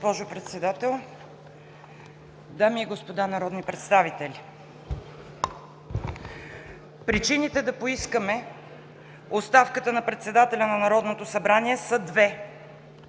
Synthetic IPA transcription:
pɔʒopɾɛt̪sɛd̪at̪ɛlˠ | d̪amiːɡospod̪anɐɾɔd̪nipɾɛt̪st̪avit̪ɛlʲi | pɾit͡ʃinit̪ɛd̪ɐpoiskəmɛ | ost̪afkət̪ənɐpɾɛt̪sɛd̪at̪ɛlʲɐnɐnɐɾɔd̪not̪osɐbɾaniɛsəd̪vɛ

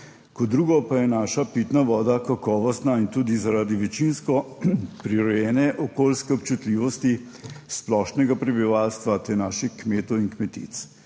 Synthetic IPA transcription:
kɔd̪ɾuːɡɔpajɛnaːʃapit̪naʋɔːd̪akakɔːʋɔst̪naint̪uːd̪izaɾaːd̪iʋɛt͡ʃinskɔpɾiɾɔjɛːnɛʔɔkolskɛɔpt͡ʃut̪liːʋɔst̪i | splɔːʃnɛɡapɾɛbiʋaːlst̪ʋat̪ɛnaːʃixkmeːt̪ɔwinkmɛt̪ḭt̪s

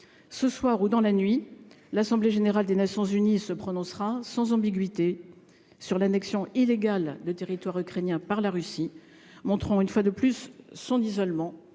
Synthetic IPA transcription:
səswaʁud̪ɑ̃lanɥi | lasɑ̃bleʒeneʁald̪enasjɔ̃zynisəpχɔnɔ̃sχasɑ̃zɑ̃biɡɥit̪e | syʁlanɛksjɔ̃ileɡald̪ət̪eʁit̪waʁykχɛnjɛ̃paʁlaʁysi | mɔ̃t̪χɑ̃ynfwad̪əplysːɔ̃nizɔlmɑ̃

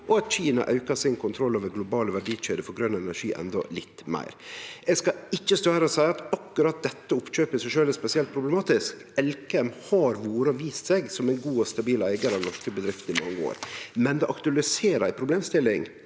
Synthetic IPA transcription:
ʔɔɑt̪c͡çiːnɑ̰ʔɑʉkɑsɪŋkʰʊnt̪ʰɾɔlːoːʋəɾɡlʊbɑːləʋæɖiːʃeːd̪əfɔɾɡɾœnːɛnæʂiːʔɛ̰nd̪ɔ̰lɪt̪ːmæ̰ɪɾʔɛɡskɑɪçːəst̪oːhæɾɔsæɪɑt̪ɑkːʉɾɑt̪̚d̪ɛt̪ːəʊpɕøːpɪsæʃøːlæɾspɛsɪɛlt̪pʰɾʊblɛmɑːt̪ɪsk | ɛlkɛmhɑɾʋoːɾəɔʋiːst̪sɛɡsɔmæɪnɡuːɔst̪ɑbiːlæɪɡɑɾɑʋnɔʂkəbəd̪ɾɪft̪ɪmɑ̰ŋːəo̰ːɾmɛnd̪ɛʔɑkt̪ʉɑlɪseːɾæɪpʰɾʊbleːmst̪ɪlːɪŋ

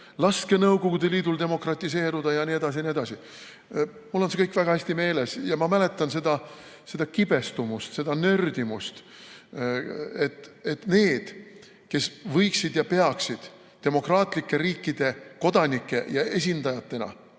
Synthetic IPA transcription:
lɑske̞nɤwɡ̥oɡ̥ud̪̥eliːd̪̥uld̪e̞mo̞krɑt̪ʲːˑise̞ːɾud̪̥ɑjɑnie̞d̪̥ɑs̬inied̪ɑsi | mulːo̞nse̞kɤjkːvæɡɑhæsʲt̪ime̞ːle̞sjɑmɑmæle̞t̪ːˑɑnse̞d̪̥ɑ | se̞d̪ɑkib̥e̞st̪umust̪se̞d̪̥ɑnø̞rd̪imust̪ | e̞t̪ːˑet̪ne̞ːd̪̥ | ke̞svɤjksid̪jɑpe̞ɑksid̪̥ | t̪ːe̞mo̞krɑːt̪ˑlikːe̞ɾiːkːˑid̪̥e̞ko̞d̪ɑnʲikːe̞jɑe̞s̬ʲind̪ɑjɑt̪ːe̞nɑ̰

